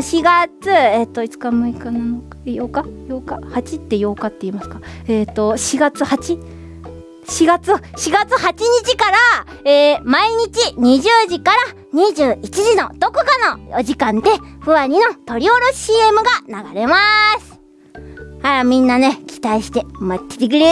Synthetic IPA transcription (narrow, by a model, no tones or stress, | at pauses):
ɕiɡat͡sɨet̪ːo̞it͡sɨ̥kamɯ̟ikananokḁjokajoːkahat͡ɕit̪ːe̞jo̞ːkat̪ːe̞imasɨ̥kḁeːt̪ːo̞ɕiɡat͡sɨhat͡ɕi | ɕiɡat͡sɨɕiɡat͡sɨhat͡ɕiɲ̟it͡ɕikaɾa | eːmaiɲ̟it͡ɕiɲ̟iʑɨːʑikaɾa | ɲ̟iʑɨːit͡ɕiʑino̞d̪̥o̞kɯ̟kano̞ʑikãnd̪e̞ɸɯ̟βãɲ̟ino̞t̪o̞ɾʲioɾoɕiːe̞mɯ̟ɡanaɡaɾe̞masɨ̥ | hajamʲĩnːane̞kʲʰi̥t̪aiɕi̥t̪e̞mot̪ʲːi̥t̪ek̬ʲiɾʲe